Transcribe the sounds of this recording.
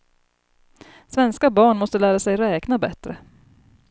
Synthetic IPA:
svɛnskabɑːɳmɔst̪əlæːɾasɛjɾɛːknabɛt̪ɾə̰

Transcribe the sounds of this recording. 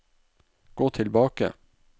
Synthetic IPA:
ɡ̥oːt̪ʰɪlbɑːkə̰

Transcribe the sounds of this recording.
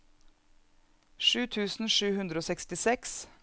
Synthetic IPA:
ʃʉːt̪ʰʉːsn̩ʃʉːhʉnd̪ɾəoːsɛkst̪ɪsɛks

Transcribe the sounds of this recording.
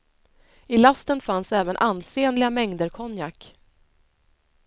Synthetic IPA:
ɪlast̪ənfansɛːvənʔand̪seːnlɪamɛŋd̪əɾkʰɔnjak

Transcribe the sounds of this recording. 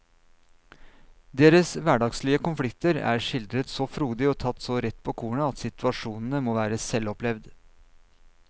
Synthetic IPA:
d̪eːɾəsʋæːɖɑɡsliːəkʊnflɪkt̪əɾæ̰ːɾʂɪld̪ɾət̪sɔfɾuːd̪ɪɔːt̪ʰɑt̪ːsɔɾɛt̪ːpʰoːkʰuːɳəɑt̪sɪt̪ʰʉɑʂuːnən̩əmoːʋæːɾəsɛlɔplɛʋd̪

